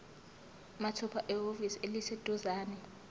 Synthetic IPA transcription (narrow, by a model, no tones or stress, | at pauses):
matʰɔpʰaʔɛɦoviselised̥ʱɔzaːnɛ